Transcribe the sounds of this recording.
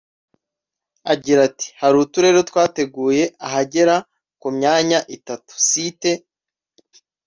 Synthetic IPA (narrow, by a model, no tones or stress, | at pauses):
aɟiɾati̥haɾuːtuɾe̞ːɾo̞twaːte̞ɡuːje̞aɦaɟe̞ɾa | kumɲaːɲaʔitatu̥site̞